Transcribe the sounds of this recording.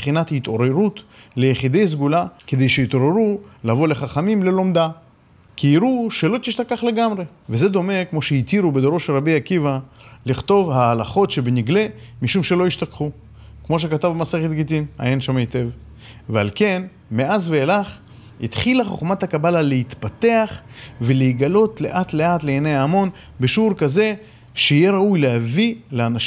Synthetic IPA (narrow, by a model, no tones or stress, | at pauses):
bχinat̪hit̪o̞ɾeʁut̪le̞jeχid̪e̞js̬ɡulake̞d̪e̞jʃeit̪o̞ɾeɾulavo̞leχaχamimle̞lo̞md̪a | kʰiiɾuʃelo̞t̪iʃt̪akaχleɡamʁe̞ | veze̞d̪o̞me̞kmo̞ʃeit̪iɾubed̪oɾoʃelʁabiakivaliχt̪o̞vhaːlaχo̞tʃebeniɡle̞miʃumʃe̞lo̞iʃt̪akχu | kmo̞ʃ̬e̞kat̪avmaseχet̪ɡit̪ina̰jenʃamaet̪e̞v | vea̰lke̞n | me̞azveːlaχ | hḭt̪χilaχo̞χmat̪akabalaleit̪pat̪e̞aχveleiɡalo̞t̪le̞ʔat̪le̞at̪leːnejaːmo̞n | beʃuɾkaze̞ | ʃeijeɾaujlehavileanaʃ